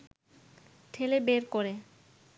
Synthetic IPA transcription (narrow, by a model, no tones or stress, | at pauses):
ʈʰelebeɾkoɾe